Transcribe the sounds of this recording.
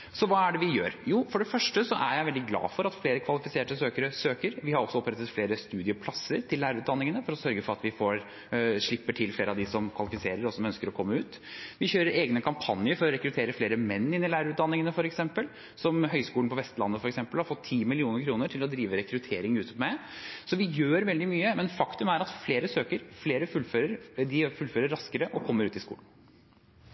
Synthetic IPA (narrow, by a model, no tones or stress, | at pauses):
sɔʋɑːæɖɛʋɪjøːɾjuːfɔɖɛfœʂʈəsɔʔæɾjæɪʋɛld̪ɪɡlɑ̰ːfɔɾɑt̪fleːɾəkʰʋɑlɪfɪseːʈəsøːkəɾəsøːkəɾʋɪhɑɾɔsɔɔpɾɛt̪ːət̪fleːɾəst̪ʉːd̪ɪəpʰlɑsːəɾʈ̪ʰɪlːæːɾəʉːt̪d̪ɑnːɪŋənəfɔɾɔsœɾɡəfɔɾɑt̪ʋɪfoːɾ | ʂɭɪpːəʈʰɪlfleːɾəɑʋd̪ɪsɔmkʰʋɑlɪfɪseːɾəɾɔsɔmœnskəɾɔkʰɔmːəʉːt̪ | ʋɪçøːɾəɾeːɡnəkʰɑmpʰɑnːɪəɾfɔɾɔɾɛkɾʉt̪ʰeːɾəfleːɾəmɛnːɪnːɪlæːɾəʉːt̪̚d̪ɑnːɪŋənəfɔɾɛksɛmpəl | sɔmɦœʏskuːnpɔʋɛst̪lɑnːəfɔɾɛksɛmpəlhɑɾfɔt̪ʰːiːmɪlɪuːnəɾkʰɾuːnəʈʰɪlɔd̪ɾiːʋəɾɛkɾʉt̪ʰeːɾɪŋʉːt̪ʰəpmæɛsɔʋɪjøːɾʋɛld̪ɪmyːəmɛnfɑkt̪ʉmæɾɑt̪fleːɾəsøːkəɾfleːɾəfʉlføːɾəɾd̪ɪfʉlføːɾəɾːɑskəɾəʔɔkʰɔmːəɾʉːt̪ɪskṵːlən̩